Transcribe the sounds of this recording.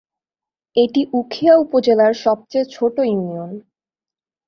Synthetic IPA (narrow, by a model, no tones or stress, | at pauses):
eʈiʔukʰiaupod͡ʑelaɾʃɔb̚t͡ɕeet͡ɕʰoʈojunion